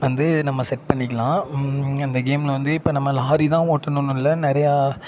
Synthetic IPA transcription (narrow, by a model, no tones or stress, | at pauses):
ʋɐnd̪ɯnɐmːɐsɛʈ̚pɐɳːɪkːɐlãːɪnd̪ɐɡeːmlɐʋɐnd̪ɯɪpːoːnɐmːɐlaːɾit̪ãːoːʈːɐnɯnʊ̃ɪlːɐnɪɾɐja